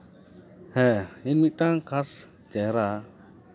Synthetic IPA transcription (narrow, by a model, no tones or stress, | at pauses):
hɛ̃inmit̪̚ˀʈaŋkʰas | t͡ʃɛɦɾa